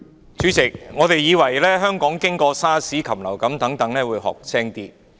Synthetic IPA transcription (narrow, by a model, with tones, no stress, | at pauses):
t͡ʃy˨˥t͡sɪ˨˩k̚ŋɔː˨˧t̪e˨jːiː˨˧wɐ˨˩jlɛː˥ɦœː˥ŋkɔː˨˥ŋkɪ˥ŋkɔː˧saː˥siː˨˥kʰɐ˨˩mlɐ˨˩wkɐ˨˥mt̪ɐ˨˥ŋt̪ɐ˨˥ŋlɛː˥wuː˨˧jɦɔ̰ː˨˩k̚t͡sʰɛː˥ŋt̪iː˥